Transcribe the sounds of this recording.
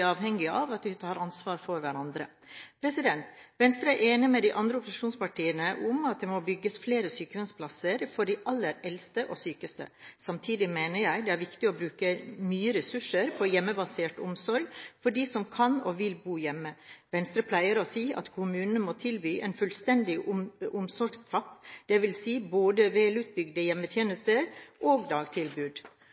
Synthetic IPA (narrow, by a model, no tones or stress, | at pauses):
ɑːʋhɛŋɡɪɑʋɑt̪ʋɪt̪ʰɑːɾɑnsʋɑːɾfɔɾʋæɾɑnd̪ɾə̰ | pʰɾɛsɪd̪ɛnt̪ʋɛnst̪ɾəæʔeːnɪmɛd̪ɪʔɑnd̪ɾəʊpʊsɪʂuːnspɑʈiːənəʔʊmɑt̪̚d̪ɛmobʏɡːəsfleːɾəsyːkəʋɛnspʰlɑsəɾfɔɖɪʔɑlːəɾɛlst̪əʔɔsyːkəst̪ə̰sɑmt̪ʰiːd̪ɪmeːnəɾjæɪd̪ɛæɾʋɪkt̪ɪɔbɾʉːkəmyːəɾɛsʉʂəɾpʰɔjɛmːəbɑseːʈʊmsɔɾɡfɔɖiːsɔmkʰɑnoʋɪlbuːjɛmːəʋɛnst̪ɾəpʰlæɪəɾɔsiːʔɑ̰t̪kʰʊmʉːnn̩moːt̪ʰɪlbyːʔɛnfʉlst̪ɛnd̪ɪʔʊmsɔɾɡst̪ʰɾɑpːd̪̥ɛʋɪlsiːboːd̪əʋɛːlʉt̪̚bʏɡd̪əjɛmːət̪ʰjeːnəst̪əɾʔoːɡd̪ɑːɡt̪ʰɪlbʉːd̪